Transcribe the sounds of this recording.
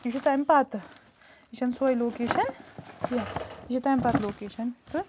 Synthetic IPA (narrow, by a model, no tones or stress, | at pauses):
iʃʰut̪aːmpat̪ | it͡ʃʰɐnswɐjloːkeːʃɐnjɐiʃʰut̪aːmʲpaːt̪loːkeːʃɐnt͡sɨ